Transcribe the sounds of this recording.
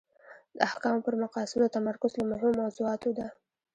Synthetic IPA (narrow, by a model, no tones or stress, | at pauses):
d̪̥əahkɑmpəɾmaqɑsɪmd̪ət̪amaɾkʊzlamʊɦɪmomawzuɑt̪od̪a